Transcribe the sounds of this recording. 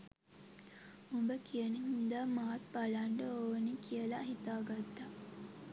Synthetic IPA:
umbəkijəniɦind̪aːmaːt̪balaɳɖəoːnikijəlaɦit̪aːɡat̪ːa

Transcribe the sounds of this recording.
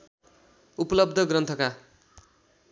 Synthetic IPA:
upʌlʌbd̪ʱʌɡrʌnt̪ʰʌka

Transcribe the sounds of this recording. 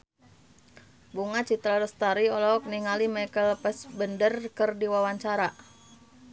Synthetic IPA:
buŋat͡ʃit̪ɾaləst̪aɾiɔlɔk̚niŋalimɛkəlpɛsbəndərkərdiwawaɲt͡ʃaɾa

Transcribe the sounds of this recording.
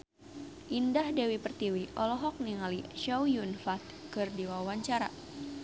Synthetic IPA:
ʔindahdɛwipərt̪iwiʔɔlɔɦɔk̚niŋaliʃowjunfat̪̚kɨrdiwawaɲt͡ʃaɾa̰

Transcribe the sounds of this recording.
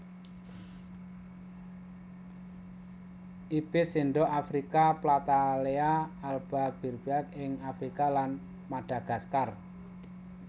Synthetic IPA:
ʔib̥ɪsinɖɔʔafɾikaplat̪aleaːlb̥ab̥i̤rb̥ak̪̚ɪŋafɾikalan | maɖ̥a̤ɡ̥a̤skar

